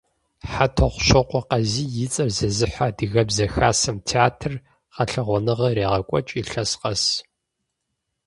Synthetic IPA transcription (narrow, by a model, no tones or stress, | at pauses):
ħatʰɐʁʷʃʷɐqʷɔqɐziːjɪt͡sʼɐrzɐzɨħʷadɨɣɐbzɐxaːsɐmtʰeaːtʰr | qɐɬɐʁʷɔnɨʁɐreːʁɐkʷʼɔt͡ʃʼiɬɐsqɐs